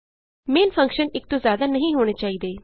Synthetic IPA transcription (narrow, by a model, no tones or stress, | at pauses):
meːnfʰə̃ŋkʃənɪk̚t̪õːzjaːd̪aːnəɦĩɦoːɽ̃eːt͡ʃaːiːd̪eː